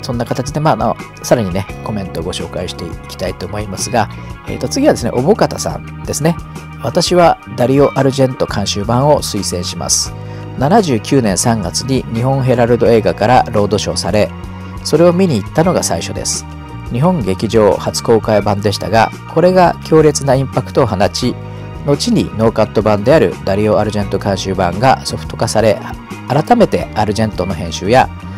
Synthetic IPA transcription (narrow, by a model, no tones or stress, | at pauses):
sõ̞nːakat̪at͡ɕid̪e̞maːno | saɾaɲ̟ine̞ko̞mẽ̞nt̪o̞ːɡo̞ɕo̞ːkaiɕi̥t̪e̞ikʲi̥t̪ait̪o̞ːmo̞imasɨɡa | ḛt̪ːot͡sɨɡʲiβad̪e̞sɨneʔo̞bo̞kat̪asã̰n | d̪̥e̞sɨne | β̞at̪aɕiβad̪aɾʲio̞ʔaɾɯ̟ʑẽ̞nt̪o̞kʰãɕɨːbãɰ̃o̞sɨisẽ̞ɰ̃ɕima̰sɨ̥ | nanaʑɨːkʲɨːnẽ̞ɰ̃sãŋɡat͡sɨɲ̟iɲ̟iɦõ̞ɰ̃ɦe̞ɾaɾɯ̟d̪o̞e̞ːɡakaɾaɾo̞ːd̪o̞ɕo̞̰ːsaɾe̞ | so̞ɾe̞o̞mʲiɲ̟iːt̪ːano̞ɡasaiɕo̞̰d̪e̞̰sɨ̥ | ɲ̟iɦõ̞ŋɡe̞kʲiʑo̞ːhat͡sɨ̥ko̞ːkaibãnd̪e̞ɕi̥t̪aɡa̰ | kʰo̞ɾe̞ɡakʲo̞ːɾʲe̞t͡sɨnaĩmpakɯ̥t̪o̞ːɦanat͡ɕi | no̞t͡ɕiɲ̟ḭno̞ːkat̪ːo̞bãnd̪e̞aɾɯ̟̰d̪aɾʲio̞aɾɯ̟ʑẽ̞nt̪o̞kãɰ̃ɕɨːbãŋɡa̰so̞ɸɯ̥t̪o̞̥kasaɾe̞aɾat̪ame̞t̪e̞aɾɯ̟ʑẽ̞nt̪ono̞ɦẽ̞ɰ̃ɕɨːja